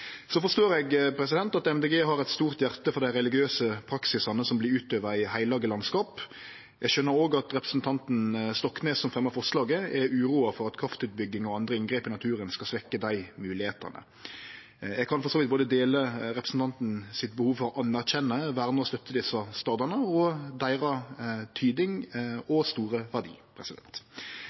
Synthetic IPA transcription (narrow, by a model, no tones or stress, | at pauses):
sɔfɔʁʂt̪oːʁɛɡpʰɾɛsɪd̪ɛnt̪ɑt̪ɛmd̪eɡeːɦɑɾɛt̪st̪uːʁt̪jæʁt̪əfɔɾd̪æɾɛlɪɡɪøːsəpʰɾɑksɪsɑnəsɔmblɪʉːt̪øːʋəɾɪhæɪlɑːɡəlɑnskɑːp | ʔɛɡʃœnːəɾoːɡɑt̪ʁɛpɾə̥sn̩t̪ʰɑnt̪n̩st̪ɔkːneːsːɔmfʁɛmːɑfɔʁʂlɑːɡəɛʉːɾuːɑfɔɾɑt̪kʰɾɑft̪ʉːt̪̚bʏɡːɪŋɔɑnd̪ɾəɪŋɡɾeːpɪnɑt̪ʰʉːɾənskɑsʋɛkːəd̪æɪmʉːlɪheːt̪ə̰nə̰ | jæɡ̚kʰɑnfɔʁsoːʋɪt̪boːd̪əd̪eːləɾɛpɾəsn̩t̪ɑnt̪n̩sɪt̪̚bəhuːʋfɔʁʔɑnːæʁçɛnːəʋæːʁnəɔst̪œt̪ʰːəd̪ɪsɑst̪ɑːd̪ɑnəɔd̪æɪʁɑt̪ʰyːd̪ɪŋɔst̪uːʁəʋæʁd̪ḭːpʰɾɛsɪd̪ɛ̰nt̪